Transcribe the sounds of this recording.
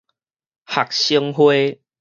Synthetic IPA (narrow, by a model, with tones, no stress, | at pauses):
ha˨˩k̚ɕiə˦˧ŋɦwe˦